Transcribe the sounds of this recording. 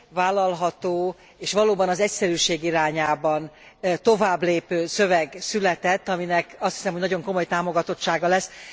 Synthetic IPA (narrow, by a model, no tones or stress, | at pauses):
vaːlːɒlɦɒt̪oː | eːʃʋɒloːbɒnɒzɛcsɛɾyːʃeːɡiɾaːɲaːbɒn | t̪o̞vaːbleːpøːsø̞vɛɡsylɛt̪ɛt̪ːɒminɛkɒst̪hi̥sɛmɦo̞ɟnɒɟo̞ŋko̞mo̞jt̪aːmo̞ɡɒt̪o̞tt͡ʃːaːɡɒlɛs